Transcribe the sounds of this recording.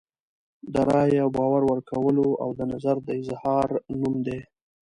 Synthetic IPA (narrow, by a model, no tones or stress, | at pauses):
d̪əɾɑjawbɑwaɾwəɾkʰawəloa̰wd̪ənazaɾd̪əɪzhɑɾnumd̪e